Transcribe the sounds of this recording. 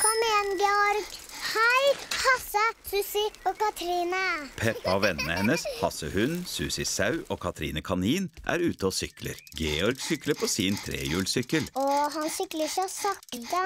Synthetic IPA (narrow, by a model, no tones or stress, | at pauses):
kʰɔmeːnɡɛɔɾɡhæɪhɑsəsʉːsɪoːkɑt̪ʰɾiːnəpʰɛpːɑɔʋɛnːəhɛnːəshɑsəhʉnsʉːsɪsɑʉʔoːkʰɑt̪ʰɾḭːnəkʰɑniːnʔæ̰ːɾʉːt̪əɔsʏklə̰ɾɡeːɔɾɡsʏkləpʰɔsiːnt̪ʰɾḛːjʉːlsʏkəlɔɦɑnsʏkləɾçæɔsɑkd̪ə